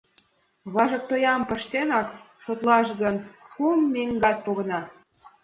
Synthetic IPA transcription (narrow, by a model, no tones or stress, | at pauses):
βɑʒɤ̆k̚t̪ojɑmpə̆ʃt̪enɑk | ʃot̪lɑʃɣənxumːeŋɡɑt̪̚poɣə̆nɑ